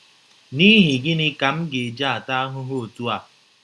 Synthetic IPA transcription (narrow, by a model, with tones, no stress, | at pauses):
ni˦ɦɪ˨ɡɪ˦nɪ˦ka˨m̩˦ɡe˨d͡ʒa˦a˨ta˦a˦ɦʊ˦ɦo˦o˨tu˦a˨